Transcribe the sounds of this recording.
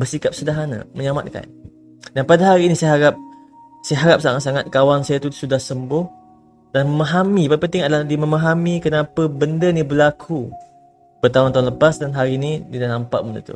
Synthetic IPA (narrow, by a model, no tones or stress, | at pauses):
bərsikap̚sədaɦana̰məɲama̰t̪̚ka̰n | danpadaɦaɾiːnisajaɦaɾap̚ | sajaɦaɾap̚saŋat̪̚saŋat̪̚kawansajat̪usudahsəmbʊh | danməmaɦamipapənt̪iŋadəladiməmaɦamikənapəbəndənibəlakʰu | b̥ərt̪aʊnt̪aʊnləpasdanɦaɾinidinanampa̰ʔmənə̰t̪ṵ